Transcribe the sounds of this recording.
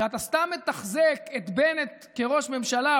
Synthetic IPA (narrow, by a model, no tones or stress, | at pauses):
at̪ast̪amːe̞t̪aχzeket̪benet̪ | ke̞ʁo̞ʃme̞mʃala